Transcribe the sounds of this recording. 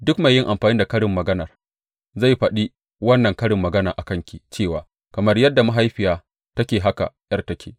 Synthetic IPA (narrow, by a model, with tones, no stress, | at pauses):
dʊ˦kma˨jːɪ˦ŋʔa˨mɸaː˨ni˦da˨kɐ˦ɽɪ˨mːɐ˨ɡɐ˦nɐ˨r | za˦˨jɸɐ˨ɗi˦ | wɐ˦nːɐ˨ŋkɐ˦ɽɪ˨mːɐ˨ɡɐ˦naː˨ʔa˨kɐ˦ŋkʲi˨t͡ʃeː˦˨waː˨ | kɐ˨mɐ˦rjɐ˦dːa˨ma˦ɦa˦jɸɪ˨jaː˨ | tɐ˦kʲeː˨ɦa˦ka̰˨jɐ˦rtɐ˦kʲʰeː˨